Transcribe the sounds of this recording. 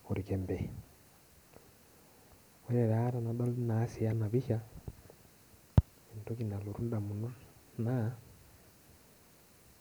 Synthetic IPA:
u˨ɾi˨kɛmbɛ | wɛ˦ɾɛ˨ɾa˨˦ɾa˨na˨dɔ˦lna˨˦si˨ja˦na˨βi˦ʃa˦ | i˨nto˦ki˨na˨lu˨ɾu˦nda˨mu˨nu˦ | na˦

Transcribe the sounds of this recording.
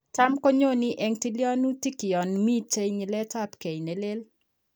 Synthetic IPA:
ta˦mko˦ɲo˦nɪ˦ʔɛ˨ŋti˦ljɔ˦nu˦ti˦kɪ˨ɔ˨nmi˦t͡ʃe˦jɲi˨lɛ˦ta˦pke˨jne˨le˦l

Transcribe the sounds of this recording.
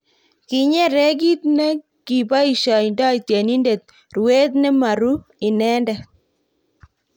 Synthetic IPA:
ki˨ɲɛ˦ɾɛ˦k̬i˦t̪̚nɛ˦ | ki˨ba˦i˨ʃa˨inda˦i˨tjɛ˨ni˦nde˨t̪̚ | rwe˦t̪̬nɛ˦ma˨ɾu˦i˨nɛ˦ndɛ˨

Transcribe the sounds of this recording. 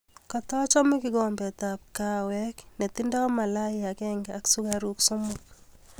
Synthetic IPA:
kɔ˨tɔ˦t͡ʃɔ˦mɪ˦kɪ˦ɡɔ˨mbɛ˨ta˨p̚ka˨wɛ˦kne˨ti˦ndɔ˦ma˨la˦ɪa˨kɛŋɡa˨˦ksu˦kaɾuksʊ˦mʊk

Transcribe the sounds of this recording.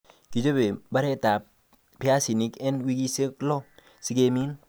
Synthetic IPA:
ki˨d͡ʒo˦be˨ba˦ɾe˦ta˨ | pi˦a˦si˨ni˦kɛ˦nwi˦ɡi˦se˦klo˦ | si˦ɡe˦mi˦n

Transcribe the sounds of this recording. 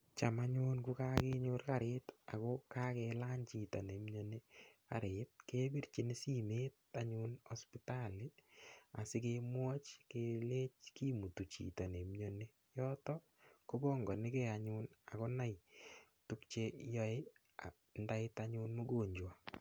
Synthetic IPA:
t͡ʃa˨maɲʊ˦nku˦ka˦ke˦ɲo˦rka˨ɾeːta̰˨koka˦ke˧la˦nt͡ʃi˨to˨ne˨mɲo˦ne˦ka̰˨ɾet̚ke˦bi˦rt͡ʃi˨ne˦si˨me˦t̚ | a˨ɲʊnɔ˦spitali˦a˨sɪ˦kemwɔ˦t͡ʃke˨le˦t͡ʃki˦mu˨tu˨t͡ʃḭ˨to˨ne˨mɲo˦ne˦ | jɔ˦tɔ˦ | ko˦bɔ˦ŋɡɔ˨nɪ˦ke˨aɲʊːna̰˨ko˦na˨j | tu˦kt͡ʃe˧jɔ˦e˦ | a | nda˦ɪtaɲʊnmo˦ɡo˨ɲd͡ʒwa˨

